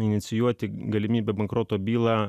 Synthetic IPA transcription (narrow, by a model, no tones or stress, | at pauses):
ɪnʲɪt̪sʲɪjuɔt̪ʲɪɡɐlʲɪmʲiːbʲɛbɐŋkɾoːt̪oːbʲiːlˠɑː